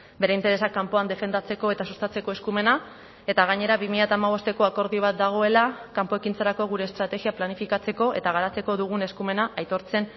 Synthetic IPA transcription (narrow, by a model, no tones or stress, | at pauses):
be̞ɾe̞int̪e̞ɾe̞sakːampoand̪e̞fe̞nd̪at͡se̞ko̞e̞t̪asust̪at͡se̞ko̞e̞skume̞na | e̞t̪aɣ̞aɲe̞ɾaβimiʎat̪aːmaβ̞o̞st̪e̞ko̞ako̞ɾðiβat̪̚d̪aɣ̞o̞e̞lakampo̞e̞kint͡saɾako̞ɣ̞uɾeːst̪ɾat̪e̞ɣiaplanifikat͡se̞ko̞ʔet̪aɣ̞aɾat͡se̞ko̞ðuɣ̞une̞skume̞naʔajt̪o̞ɾt͡se̞n